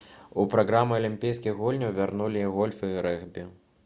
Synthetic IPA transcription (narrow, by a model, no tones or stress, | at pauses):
upɾaɣɾamɨɐlʲimʲpʲijskʲiɣɣulʲnʲɐwvʲarnulʲiɣɔlʲfɨɾɛɣbʲi